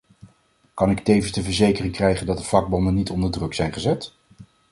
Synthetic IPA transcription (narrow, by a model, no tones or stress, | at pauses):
kɑnɪktejvənsdəvəɹzejkərɪŋkrɛjχəndɑt̚dəv̥lɑɡ̚bɔndənitɔndəɹdrɵksɛjnχəzɛt